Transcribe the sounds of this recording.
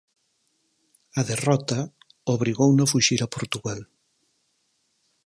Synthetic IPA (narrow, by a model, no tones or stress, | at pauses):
ɐðerɔt̪a | oβ̞ɾiɣownofuʃiɾapoɾt̪uɣal